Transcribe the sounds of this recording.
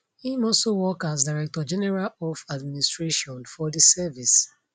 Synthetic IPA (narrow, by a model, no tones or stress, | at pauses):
ĩmɔsowɔkazdaɹɛk̚tɔd͡ʒɛnɛɹalɔfadministɹeʃɔ̃nfɔdisɛvis